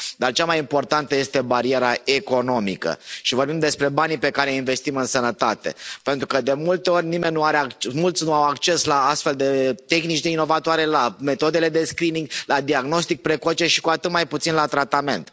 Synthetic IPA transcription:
d̪art͡ʃamajimpo̞rt̪ant̪əje̞st̪e̞baɾie̞ɾae̞ko̞no̞mḭkə̰ʃivo̞rbimd̪e̞spɾe̞banipe̞kaɾe̞inve̞st̪imɨnsənət̪at̪e̞̰pe̞nt̪ɾukəd̪e̞mult̪e̞o̞rʲnime̞nʲːuaɾeakmult̪sʲnuawakt͡ʃe̞slaast̪fe̞ld̪e̞t̪e̞xnit͡ʃd̪eino̞vat̪oaɾe̞lame̞t̪o̞d̪e̞le̞d̪e̞skɾiniŋɡlad̪iaɡno̞st̪ik̚pɾe̞ko̞t͡ʃe̞ʃi̥kuat̪ɨt̪majput̪sinlat̪ɾat̪ame̞̰nt̪

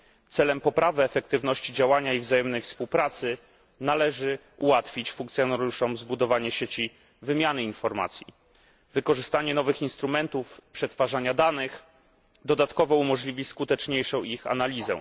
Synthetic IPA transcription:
t̪sɛlɛmpɔpɾavɘɛfɛk̚t̪ɘvnɔɕt͡ɕid͡ʑawaɲaivzajɛmnɛjfspuwpɾat̪sɘ | nalɛʐɘ | uwat̪fʲit͡ɕfuŋk̚t̪sʲjɔnaɾjuʂɔmzbud̪ɔvaɲɛɕet͡ɕi | vɘmʲjanɘinfɔɾma̰t̪sʲjḭ | vɘkɔʐɘst̪aɲɛnɔvɘxinst̪ɾumɛnt̪ufpʂɛt̪faʐaɲad̪anɘx | d̪ɔd̪at̪kɔvɔumɔʐlʲivʲiskut̪ɛt͡ʂɲejʂɔ̃w̃ixa̰nalʲizɛ̰

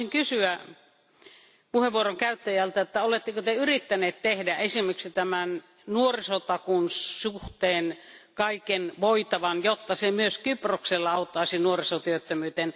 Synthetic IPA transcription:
iŋkysyæ | puheʋuoroŋkæyt̪ːæjælt̪æot̪ːæolet̪ːekøt̪eyrit̪ːæneːt̪t̪ehdæesimˑeksit̪æmæn | nuorisot̪ɑkunsuht̪eːnkɑikenʋoit̪ɑʋɑnjot̪ːɑsemyøskyprokselːɑɑot̪ːɑisinuorisot̪yøt̪ːømyːt̪en

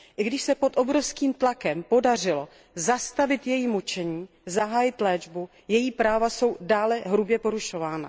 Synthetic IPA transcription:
ʔɪɡdɪʃsɛpo̞t̪ʔo̞bɾo̞fskiːmt̪lakɛmpo̞dar̝ɪlo̞ | zast̪avɪt̪jɛjimut͡ʃɛɲiː | zaɦaːjɪt̪lɛːd͡ʒbu | jɛjiːpɾaːvaso̞wdaːlɛɦɾubjɛpo̞ɾuʃo̞vaːna̰

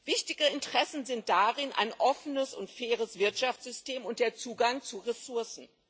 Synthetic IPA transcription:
v̥ɪçtɪɡəɪntəʁ̥ɛsn̩zɪnt̚d̥aʁɪnʔa̰ɪnʔɔfənəsʊntfɛːʁ̞əsv̥ɪɐtʃaft͡sz̥ʏsteːmʊnt̚d̥eːɐt͡suːɡaŋt͡suʁɛsʊɐsn̩

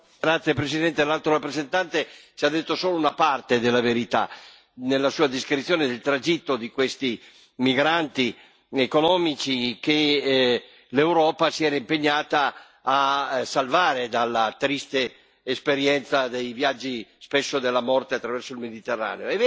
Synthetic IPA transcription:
ɡɾat̪sːjepɾesid̪ɛnt̪elalt̪ɾoɾapːɾezent̪ant̪et͡ʃiad̪ːet̪ːosoːlounapart̪ed̪elːaveɾit̪a̰ | nelːasuːad̪iskɾit̪sːjoːned̪elt̪ɾad͡ʒit̪ːod̪ikwest̪i | miɡɾant̪i | ekonɔːmit͡ʃik̟e | lewɾɔːpasiɛːɾaimpeɲːaːt̪aː | salvaːɾed̪alːat̪ɾist̪eː | speɾjɛnt̪sad̪ejvjad͡ʒːispesːod̪elːamɔrt̪eat̪ːɾavɛrsoilmed̪it̪erːa̰ːneoɛv

